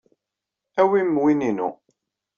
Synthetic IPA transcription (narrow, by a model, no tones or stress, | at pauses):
æwimːwininṵ